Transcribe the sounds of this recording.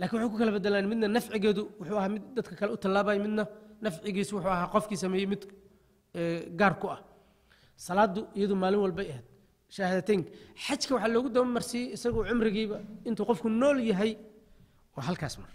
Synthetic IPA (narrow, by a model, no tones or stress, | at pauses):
laːkʰɪnwʊħaːkʰʊkʰɐlɐbɛd̪ɛlaːnmɪd̪nɐnɐfʕɪɣɛːðʊwʊħuːɐɦhaːmɪd̪ːɐd̪kʰɐkʰɐlɛʊt̪ʰɐlaːβaːjɛmɪd̪nɐnɐfʕɪɣiːswʊħuːɐɦaːqɔfkʰiːsɐmɛːjɛjmɪd̪ | ɛːɡaːrkʰʊɐh | sɐlaːd̪ʊʔɪjɐðʊmaːlɪnwɑlbɛjɐhɛːd̪̚ | ʃaːhɐðɐt̪ʰɛŋkʰɐħɑt͡ʃkʰɐwɑħɑːlɔːɣʊd̪ɐmɛmɐrsiːjɪsɐɣʊʕʊmrɪɣiːβɐɪnt̪ʰuːqɔfkʰʊnɔːljɐɦɛj | wɑːɦɐlkʰaːsmɐr